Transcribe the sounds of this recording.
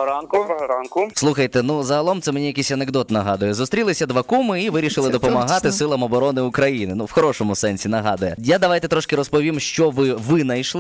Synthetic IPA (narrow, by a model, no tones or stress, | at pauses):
ɾankʊɾankʊslˠuxɐjt̪ɛnuzɐɦɐlˠɔmt̪ɛmenʲijɐkisʲɐneɡd̪ɔt̪nɐɦɑd̪ʊjɛzʊst̪ɾʲilˠɪsʲɐd̪ʋɐkumɪiʋɪɾʲiʃɪlˠɪd̪ɔpɔmɐɦɑt̪ɪsɪlˠɐmɔbɔɾɔnɪʊkɾɐjinɪnuwxɔɾɔʃɔmʊsɛnʲsʲinɐɦɑd̪ʊjɛjad̪ɐʋɑjt̪ɛt̪ɾɔʃkɪɾɔspɔʋʲimʃt͡ʃɔʋɪʋɪnɐjʃlˠ